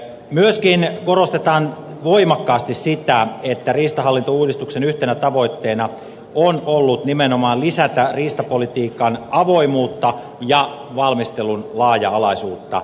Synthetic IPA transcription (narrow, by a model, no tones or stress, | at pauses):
myøskinkorost̪et̪ɑːn | ʋoimɑkːɑːst̪issit̪æet̪ːæriːst̪ɑɦɑlːint̪ouːdist̪uksenyht̪enæt̪ɑʋo̞it̪ːeːnɑ | onolːut̪nimenomɑːlisæt̪æriːst̪ɑpolit̪iːkɑnɑʋoimuːt̪ːɑ | jɑ | ʋɑlmist̪elunlɑːjɑɑlɑsuːt̪ːɑ̰